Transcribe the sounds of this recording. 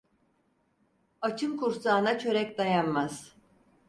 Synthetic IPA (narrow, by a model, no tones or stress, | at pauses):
at͡ʃʰɯmkuɾsaːnat͡ʃʰø̞ɾɛcd̪ajanmaz̥